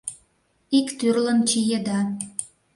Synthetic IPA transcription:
ikt̪yrlə̆nt͡ɕijed̪ɑ

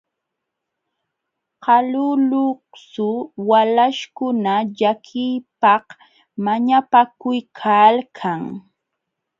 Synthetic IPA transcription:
qɑlʊlʊhsʊwalaʃkʊnaʎakʰɪjpɑh | maɲapakʊjkʰalkʰaŋ

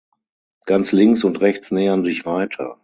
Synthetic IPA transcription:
ɡ̥ant͡slɪŋksʊntʁɛçt͡snɛːɐnzɪçvaɪtʰɐ̰

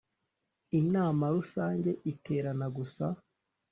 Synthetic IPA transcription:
inaːmaɾusaːɲɟe̞ʔitʰe̞ːɾanaɡusa

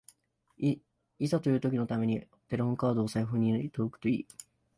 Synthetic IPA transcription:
isat̪o̞jiɯːt̪o̞kʲino̞t̪ame̞ɲ̟i | t̪e̞ɾɯhoŋkaːd̪oːsaiɸɯ̟̃ɲ̟ːiit̪o̞ːkɯ̟̥t̪o̞ḭː

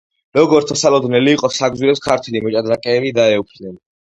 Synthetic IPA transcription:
ɾɔɡɔɾt̪sʰɔsalɔd̪nɛliːqʼɔsaɡziɾɛpskʰaɾt̪ʰwɛlimɔt͡ʃʼad̪ɾakʼɛːbid̪aɛupʰd̪nɛn

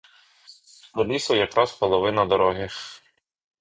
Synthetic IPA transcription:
t̪ɔlʲisˠɔjɐkɾʔɑspɔlˠɔʋɪnɐd̪ɔɾɔɦʲɪx

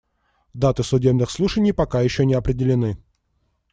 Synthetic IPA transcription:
d̪at̪ɨsʊdʲe̞bnɨxslˠuʂənʲɪjpɐkajɪɕːɵnʲɪɐpɾʲɪdʲɪlʲɪnɨ

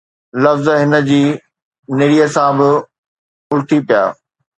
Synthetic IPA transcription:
lɐfzɦɪnə̆d͡ʑiː | neɽiəsãːbɪ | ʊlʈʰipija̰ː

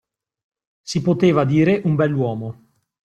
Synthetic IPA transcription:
sipot̪eːvad̪iːɾeʔumbɛlːwɔːmo

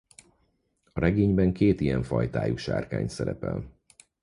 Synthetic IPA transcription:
ɒɾɛɡeːɲbɛŋkeːt̪ijɛɱfɒjt̪aːjuʃa̰ːrka̰ːɲt̪sɛɾɛpɛl

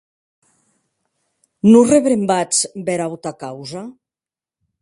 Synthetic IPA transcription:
nureβɾembat͡sbɛɾawt̪akawza

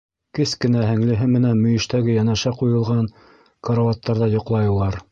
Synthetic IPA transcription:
kɘskɘ̆næɦɘ̆ŋlɘ̆ɦɘmɘ̆nænmɵ̆jɘ̆ʃt̪æɡɘjænæʃæqujɤ̆lˠʁɑn | koɾovɑt̪ːɑɾðɑjŏqlˠɑjɤ̆lˠɑɾ

